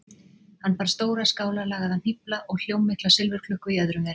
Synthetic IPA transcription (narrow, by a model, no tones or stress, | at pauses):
hanːpaɾ̥st̪oːwɾaskaːwlalaːɣaðan̥ɪplaʔɔɣl̥jowmːɪht̪lasɪlvɪɾkʰlʏhkʏiaðɾʏmɛɾ